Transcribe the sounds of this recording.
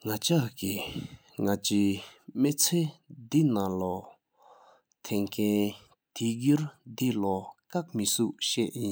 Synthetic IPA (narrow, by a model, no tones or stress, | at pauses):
ŋat͡ɕaʔki | ŋat͡ɕimet͡sʰeːd̪inalɔ | t̪ʰɛŋkʰɛn | t̪iɡ̬yɹd̪ilɔkak̚misuʔɕɛʔjin